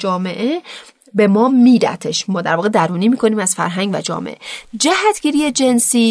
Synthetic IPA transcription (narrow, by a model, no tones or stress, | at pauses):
d͡ʒɒːme̞ʔe̞ | be̞mɒːmiːɾæ̰t̪ʰeʃmɒːd̪æɾvɒːɣe̞d̪æɾuːniːmiːkʰo̞niːmæz̥fæ̰ɾɦæŋɡvæ̰d͡ʒɒ̰ːmḛʔed͡ʒæhæt̪ʰɡ̥iːɾijed͡ʒe̞nsiː